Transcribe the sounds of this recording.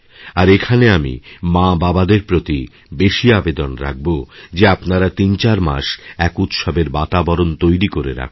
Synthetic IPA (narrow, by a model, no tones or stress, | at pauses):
aɾekʰaneamḭmãbabad̪eɾpɾot̪i | beʃiabed̪onɾa̰k̚bod͡ʑeapnaɾat̪int͡ɕaɾma̰ʃɛkut̪ʃɔbeɾbat̪abɔɾont̪ojɾikoɾeɾa̰kʰ